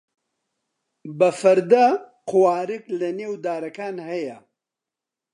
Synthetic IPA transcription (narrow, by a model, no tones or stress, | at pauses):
bɐfɐɾd̪aqʰʊwaːɾɨklɐneːwd̪aːɾɐkaːnhɐjɐ